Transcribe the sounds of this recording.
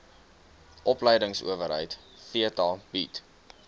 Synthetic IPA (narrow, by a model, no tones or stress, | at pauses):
ʔɔpləjdəŋsṵəvəɾɦə̰jt | fiətɑb̥it